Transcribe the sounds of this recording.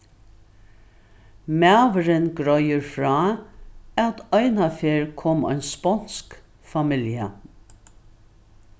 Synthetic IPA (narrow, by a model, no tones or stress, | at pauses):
mæːʋəɾɪnɡɾɔjəɹfɾɑː | awt̪ɔʏnafeːɹkʰɔːmɔ̰jnspɔn̥sk | famɪljə